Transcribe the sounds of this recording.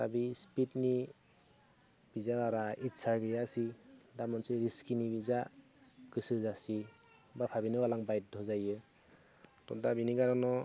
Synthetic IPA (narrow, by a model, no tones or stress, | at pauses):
ta̰bispit̚ni | b̥izabaɾaitsaɾɡijasidamɔnsɯɾiskinibiza | kɯsɯzasi | bapʰabinɯalaŋbajt̚dʱɔzajɯ | tɔ̰dabiniɡaɾɔnɔ